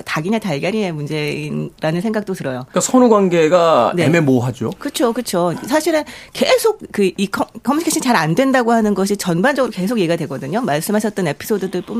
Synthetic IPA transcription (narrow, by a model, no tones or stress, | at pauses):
taɡiɲataɭɡjaɾinemund͡ʑe̞inɾanɯnsʰe̞ŋɡak̚t͈otɯɾʌjokasʰʌnuɡwaŋɡe̞ɡanememoɦad͡ʑokɯt͡ɕʰokɯt͡ɕʰosʰaɕʰiɾɯnke̞sʰok̚kɯikʰʌkʰʌmuikʰeɕʰint͡ɕaɾandwe̞ndaɡoɦanɯnɡʌɕʰit͡ɕʌnband͡ʑʌɡɯɾoke̞s̬ʰokjeɡiɡadwe̞ɡʌdɯɲomaɭs͈ɯmɦaɕ̬ʰʌt̚t͈ʌne̞pʰi̥s͈ʰodɯdɯɭp͈um